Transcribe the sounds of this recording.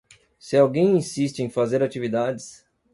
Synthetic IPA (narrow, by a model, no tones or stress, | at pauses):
sɪawɡẽj̃ĩsist͡ʃɪẽj̃fazeɾat͡ʃivid̪ad͡ʒɪs